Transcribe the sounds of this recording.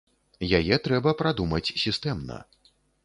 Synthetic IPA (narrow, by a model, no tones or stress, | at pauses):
jajɛt̪ɾɛbɐpɾad̪umɐt͡sʲsʲist̪ɛmnɐ̰